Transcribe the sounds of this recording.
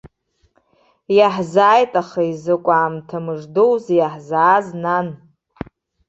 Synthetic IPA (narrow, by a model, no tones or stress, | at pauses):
jaħzaːjtʼaχaizɨkʷʼaːmtʰamɨʐdowzjaħzaːznan